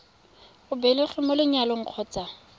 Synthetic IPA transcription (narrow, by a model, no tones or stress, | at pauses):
ʊbɛlɪχɪmʊlɪɲalɔŋ̩q͡χʰɔːt͡sa